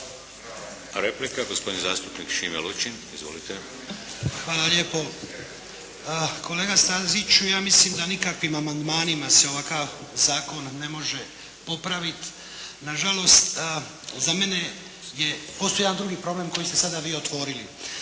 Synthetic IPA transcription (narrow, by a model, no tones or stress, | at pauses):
ɾeplikaɡospo̞d̪inza̰ːst̪upnikʃimḛlut͡ʃinizʋo̰lit̪e | xʋaːlalje̞ːpo̞ | ko̞le̞ːɡast̪azit͡ʃujaːmislimd̪anikakʋimamand̪maːnimase̞o̞ʋakaʋzaːko̞nːe̞mo̞ʒe̞ | po̞pɾaʋit̪ | naʒalo̞st̪ | zame̞ne̞ | je̞po̞sojeand̪ɾuɡipɾo̞ble̞mko̞jist̪e̞sad̪aʋiːo̞t̪ʋo̞ːɾili